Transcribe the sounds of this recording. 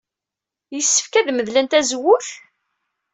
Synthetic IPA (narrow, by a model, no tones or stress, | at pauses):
jəsːə̥fkæðməðlænt̪æzwːʊθ